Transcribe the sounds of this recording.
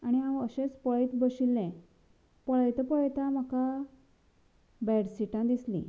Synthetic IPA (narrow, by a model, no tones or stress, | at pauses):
aɽ̃iãwəɕẽt͡spɔɭit̪bəɕilːɛ̃ | pəɭajt̪əpɔɭt̪ãm̤aka | bɛɽsiʈãd̪islḭ̃